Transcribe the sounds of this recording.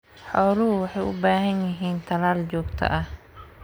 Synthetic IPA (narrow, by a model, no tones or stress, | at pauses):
ħɔwlʊɦʊwɑħɛjʔʊbaːɦɐnjɪɦiːnt̪ʰɐlaːld͡ʒɔːɡt̪ʰɐ̰ʔɐh